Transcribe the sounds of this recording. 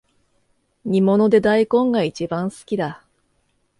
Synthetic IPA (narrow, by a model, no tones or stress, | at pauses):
ɲ̟imo̞no̞d̪e̞d̪aikõ̞ŋɡait͡ɕibãɰ̃sɨ̥kʲid̪a